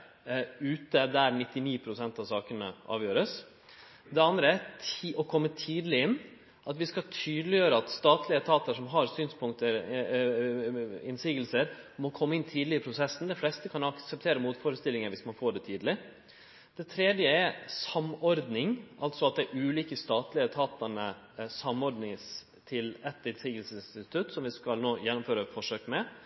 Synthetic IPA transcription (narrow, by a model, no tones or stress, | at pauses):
ʉːt̪əd̪æɾnɪt̪ːɪniːpʰɾʊsɛnt̪ɑʋsɑːkənəʔɑ̰ːʋjøːɾəs | d̪ɛɑnd̪ɾəæt̪ːʔɔkʰɔmːət̪ʰiːd̪lɪɪnː | ʔɑt̪ʋɪskɑt̪ʰyːd̪lɪjøːɾəɑt̪st̪ɑːt̪lɪət̪ʰɑːt̪əʂɔmɦɑɾsyːnspʰʊŋkt̪əɾ | ɪ̰nsiːɡəlsəɾmɔkʰɔmːəɪnt̪ʰiːd̪lɪɪpʰɾʊsɛsːn̩d̪ɛflɛst̪əkʰɑnɑksəp̚t̪ʰeːɾəmuːt̪fɔːɾəst̪ɪlːɪŋəʋɪsmɑnfoːɖɛt̪ʰiːd̪lɪ | d̪̥ɛt̪ʰɾeːd̪jəɛɾsɑmɔɾd̪nɪŋʔɑlt̪sɔɑt̪̚d̪ɛʔʉːliːkəst̪ɑːt̪lɪət̪ʰɑːt̪əɳə | sɑmɔɾɖ̪nɪŋs | t̪ʰɪlɛt̪ɪnsiːɡəlsəsɪnst̪ɪt̪ʰʉt̪sɔmʋɪskɑlnoːjɛnːʊmføːɾəfɔʂøːkmɛ